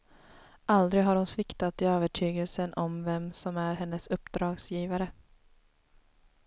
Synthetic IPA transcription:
ʔald̪ɾɪɡɦaɾhʊnsvɪkt̪at̪ɪøːvəʈʰyːɡəlsənʔɔmvɛmsɔmæɾhɛnːəsɵpːd̪ɾɑːɡsjiːvaɾə

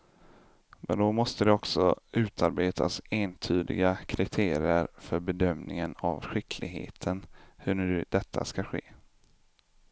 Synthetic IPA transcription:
mɛnd̪ɔmɔst̪əd̪ɛɔksɔʉ̟ːt̪ʰaɾbeːt̪ʰaseːnt̪ʰyːd̪ɪ̰ɡakʰɾɪt̪ʰeːɾɪəɾfœɾbɛd̪œmnɪŋənavɧɪkʰlɪɡɦḛːt̪ʰənhɵnʉd̪ɛt̪ʰːa̰skaɧeː

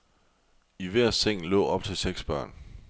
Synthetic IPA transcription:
iʋæɐ̰seŋ̰lɔ̰̽ːɒ̽b̥̚t͡sʰe̝lseɡ̥sb̥ɶɐ̰n

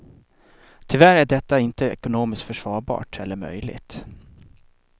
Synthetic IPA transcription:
t̪ʰʏvæɾæɖɛt̪ːaɪnt̪əɛ̰kʊnoːmɪskt̪fœʂvɑːɾbɑ̰ːʈʰɛlːəɾmœ̰jlɪ̰ɡt̪

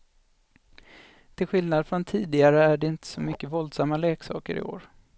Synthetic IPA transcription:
t̪ʰɪlɧɪlnad̪fɾɔnt̪ʰiːd̪ɪɡaɾəæɖɛɪnt̪ə̥sɔmʏkːəvɔld̪samːaleːksɑ̰ːkə̰ɾɪ̰o̰ːɾ

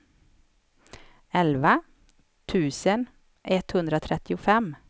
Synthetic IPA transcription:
ɛlva | t̪ʰʉːsən | ʔɛt̪hɵnd̪ɾaot̪ʰɾɛt̪ːɪʊfɛm

